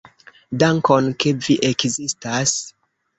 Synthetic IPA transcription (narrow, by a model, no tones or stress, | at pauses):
daŋkonkeviʔekzistas